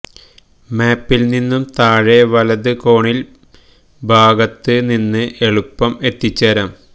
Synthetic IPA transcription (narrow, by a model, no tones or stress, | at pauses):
meːpːilninːumt̪aːɻeʋɐlɐðɨko̞ːɳil | bʱaːɡɐt̪ːɨninːɨʔe̞ɭupːɐme̞t̪ːit͡ɕːɐɾɐm